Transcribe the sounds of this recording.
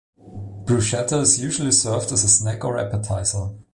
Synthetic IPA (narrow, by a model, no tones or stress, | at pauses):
b̥ɹʉʃɛtəɪzjʉʒl̩ˠisɜ˞vdəzəsnækə˞æ̰pətʰaɪtl̩ˠ